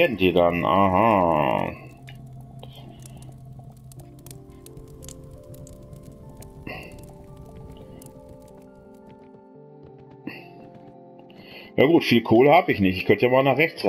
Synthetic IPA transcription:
ɐdn̩diːdanʔa̰ɦa̰ | ja̰ːɡuːtfiːlkʰoːləhaːbəɪçnɪçtɪçkʰœntəjamaːlnaːχʁɛçt͡sʁ

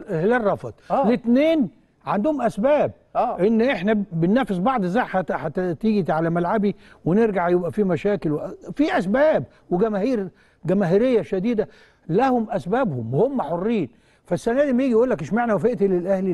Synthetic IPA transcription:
hlærˤːɑfɑd̪̚ˤlet̪neːn | ʕand̪ʊhʊmʔæsbæːb̚ʔenːʔeħnæbɪnːæfesbɑʕd̪ˤzaʕħaħat̪t̪iːɡit̪ʕalæmælʕabiweneɾɡaʕjebʔæfimæʃæːkɪlwfiʔæsbæːb | weɡæmæhiːɾ | ɡæmæːɦiɾejːæʃæd̪iːd̪æ | læhʊmʔæsbæːbhʊmhomːæħorːiːn | fæsːænæːd̪imæjiːɡijʔuːlːækʔeʃmaʕnæwæfeʔt̪ilelʔæhli

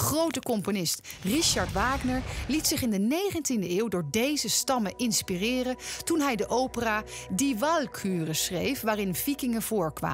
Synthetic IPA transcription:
χrowtəkɔmponɪst | riʃɑɹtʋaːɡnəɹlitsɪχɪndənejχəntindəɪːwdʊːɹdejzəstɑməʔɪnspirɪːrəntunɦɛjdəʔowpəraːdiʋɑlˠkʰyːrəsrejfʋaːrɪnvikɪŋəv̥ʊːɹkʋa̰ː

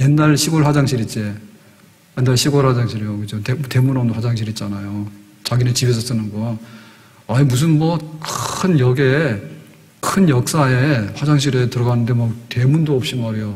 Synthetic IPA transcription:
jenːaɭɕʰiɡoɭɸad͡ʑaŋɕʰiɾit͡ɕ͈e | jenːaɭɕʰiɡoɭhad͡ʑaŋɕ̬ʰiɾijokɯd͡ʑotemte̞munʌmdwʰad͡ʑaŋɕʰiɾit̚t͡ɕ͈anajo | t͡ɕaɡinet͡ɕibes̬ʰʌs͈ɯnɯnɡʌ | aimus̬ʰɯnmʌkɯnjʌɡe | kʰɯnjʌk̚s͈aeɸwad͡ʑaŋɕ̬ʰiɾetɯɾʌɡanɯnde̞mak̚te̞mundoʌp̚ɕ͈imaɾejo

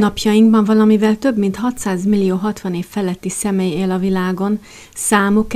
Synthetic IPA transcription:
nɒpjɒjiŋɡbɒɱvɒlɒmivɛlt̪ø̞bmint̪hɒt̪saːzmilːijoːɦɒt̪ʋɒneːfɛlɛt̪ːisɛmeːjeːlɒvilaːɡo̞n | saːmok

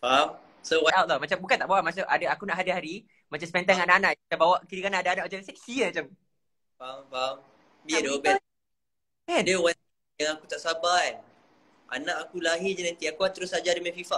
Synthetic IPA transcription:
pam | sowaʔat̪̚lamat͡ʃambukant̪aʔbawaʔmas̬aʔa̰daakunaʔɦadaɦaɾi | mat͡ʃamspɛnt̪anŋanaʔanãʔambawaʔkiɾikanaʔadaanãʔmat͡ʃamsɛk̚siəmat͡ʃam | papam | biədowəbɛ | ɛdəwa | jaŋakut̪aʔsaban | a̰nãʔakulaɦɪd͡ʒənant̪iakuat̪əɾʊsad͡ʒadəmɛ̃fifa

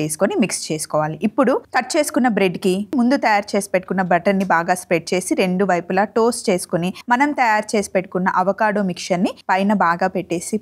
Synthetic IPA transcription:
eːsu̥konimikst͡ʃe̞ːsu̥kɔːʋaːliʔipːuɽukɐʈ̚ːt͡ʃe̞ːsu̥kunːɐbɾe̞ɖkimund̪ut̪ɐjaːɾt͡ʃe̞ːsi̥peʈːu̥kunːɐbɐʈɐnːibaːɡaːspɾeʈ̚t͡ʃe̞ːsiɾe̞ɳɖuʋɐjpulɐʈoːst͡ʃe̞ːsu̥konimɐnɐmt̪ɐjaːɾt͡ʃe̞ːsi̥peʈːu̥kunːɐʔɐʋɐkaːɽoːmikʂɐnːipɐjnɐbaːɡaːpe̞ʈːe̞ːsi

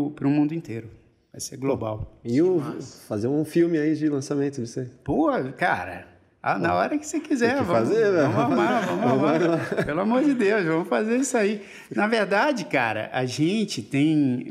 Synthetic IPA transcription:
pɾʊmũnd̪ʊĩt̪eɾʊ | vajseɡloba̰wɪʊfazeɾũfiwmɪaid͡ʒɪlɐ̃samẽt̪ʊvosepoɐkaɾɐ̰ | anaɔɾɐkɪ̥sekizɛvɐazeɐ̃m̃amavɐ̃mʊamaaapelʊamoɾd͡ʒɪd̪ewʃvɐ̃mʊfazeɾisʊai | nɐveɾd̪ad͡ʒɪka̰ɾɐ̰ʔaʒẽnt͡ʃɪt̪ẽj̃

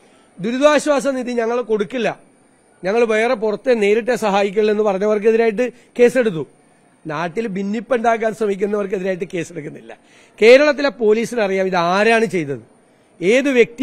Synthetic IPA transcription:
d̪uɾud̪aːɕwaːs̬ɐniðiɲɐŋːɐɭko̞ɽukːilːɐ | ɲɐŋːɐɭbejɐrep̬urɐt̪ːene̞ːɾiʈ̬ːe̞sɐɦaːjik̬ʲːɐɭilenːɨpɐrɐɲːɐʋɐrk̬ːɨe̞ðiɾaːjiʈ̬ːɨ | ke̞ːse̞ɽut̪̬ːu | naːʈːilbinːipːuɳɖaːk̬ːaːnsrɐmikʲːunːɐʋɐrk̬ɨe̞ðiɾaːjʈ̬ːɨke̞ːseɽukːunːilːɐ̰ | ke̞ːɾɐɭɐt̪ːilepo̞ːliːsinɐrijaːmiðɨaːɾaːɳɨt͡ɕe̞jt̪ːɐðɨ | e̞ːðɨʋje̞k̚t̪i

